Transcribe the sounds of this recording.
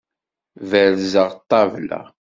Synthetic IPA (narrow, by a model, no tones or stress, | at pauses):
væɾzəʁt̪ˤːɑvlæ̰